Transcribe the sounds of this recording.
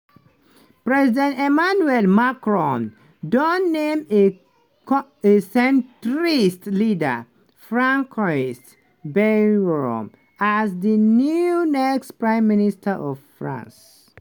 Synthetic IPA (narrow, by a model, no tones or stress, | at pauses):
pɹɛzidɛ̃ntɛmanuɛlmakɹɔ̃n | dɔnːẽme | esɛ̃ntɹistlidə̰ | fɹãŋkʰɹas | bɛɡɹɔ̰̃m | azðənjuunɛkstpɹãɪ̃mːinistʰəʔɔvfɹã̰ns